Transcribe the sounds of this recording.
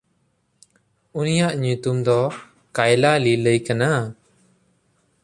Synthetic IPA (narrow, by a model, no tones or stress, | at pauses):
unijaʔɲut̪umd̪ɔ | kajlaliləjkana